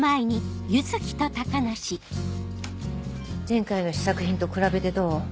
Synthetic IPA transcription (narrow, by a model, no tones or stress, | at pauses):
maeɲ̟ijɯt͡sɨkʲi̥t̪o̞t̪akanaɕi | d͡zẽ̞ŋkainoɕi̥sakɯ̟çĩnt̪o̞kɯ̟ɾabe̞t̪e̞d̪o̞ː